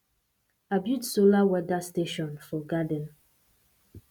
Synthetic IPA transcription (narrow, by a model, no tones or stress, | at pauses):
abjudsolawɛdasteʃɔ̃nfɔɡadə̃n